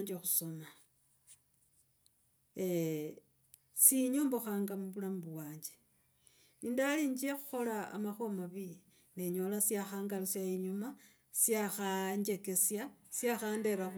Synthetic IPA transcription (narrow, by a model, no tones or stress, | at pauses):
ɲd͡ʒexu̥so̞ma | siɲoːmboxaːŋɡamuβulambuwaːɲd͡ʒe | niːndaliːɲd͡ʒiexu̥xo̞la̰ːmaxo̞maβi | neɲo̞lasjaxaːŋɡalisjaiɲuma | sjaxaɲd͡ʒe̞ke̞sjasjaxaːnde̞ɾa